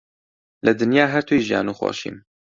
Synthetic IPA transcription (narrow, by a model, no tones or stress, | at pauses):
lɨd̪ɨnjaːɦɛɾt̪ʰujiʒija̰ːnuːxo̰ːʃḭːm